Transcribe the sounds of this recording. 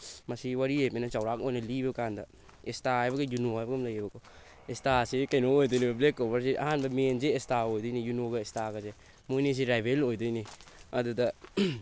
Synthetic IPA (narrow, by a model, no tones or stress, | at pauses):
masiwaɾiemenat͡ʃawɾak̚ojnalibekanda | estaajbaɡejunoajbaɡamlajabako | estasikajnoojdɔjnibablekːobaɾs̬iʔa̰ɦanbamend͡ʒeːstaojdɔjnijunoɡaestaɡaze | mujnis̬iɾajbelojdɔjniaduda